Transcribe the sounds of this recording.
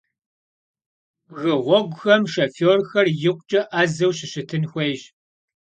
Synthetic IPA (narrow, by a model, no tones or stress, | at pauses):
ɣɨʁʷɔɡʷʊxɐmʃɐfoːrxɐrjɪqʷt͡ʃʼɐʔaːzɐwɕɪɕɪtʰɨnxʷejɕ